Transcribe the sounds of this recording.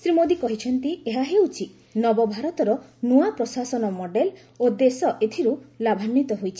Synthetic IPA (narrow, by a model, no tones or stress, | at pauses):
sɾimod̪ikɔɦit͡ʃʰɔnt̪ieɦaɦewt͡ʃʰi | nɔbɔbʱaɾɔt̪ɔɾɔnuapɾɔsasɔnɔmɔɖel | od̪esɔʔet̪ʰiɾulabʱanːit̪ɔɦojt͡ʃʰi̥